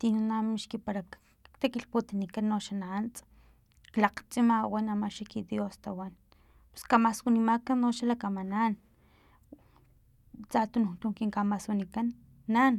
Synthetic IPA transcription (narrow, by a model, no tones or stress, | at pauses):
t̪inanamiʃkipaɾa | t̪akilput̪inikanːoʃanant͡s | klaqt͡sʼimawanamaʃikid̪jost̪awan | pe̥skamaswunimakanːoʃalakamanan | t͡sat̪unut̪uŋkiŋkamaswunikanː | an